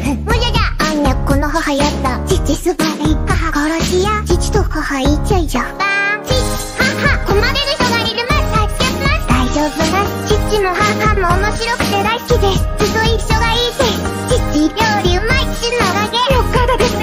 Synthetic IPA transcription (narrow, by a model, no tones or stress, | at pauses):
mod͡ʑad͡ʑaːɲːakonoɦahajat̪ːat͡ɕit͡ɕisɨbaɾeiaɦakaɾaɕijat͡ɕit͡ɕi̥t̪ohahait͡ɕaid͡ʑaat͡ɕit͡ɕi̥hahakomaɾeɾɯ̟çt̪oɡaɾʲiɾɯ̟mast̪ai̥kʲaɯmasd̪̥aid͡ʑoːbɯnast͡ɕit͡ɕimohahamoːmo̞ɕiɾo̞kɯ̟̥t̪ed̪aiskʲid̪esɨ̥sɨt̪ːoiɕːo̞ɡaid̪est͡ɕit͡ɕiɾʲoːɾʲɯmait͡ɕinoɡaɡejokːad̪od̪es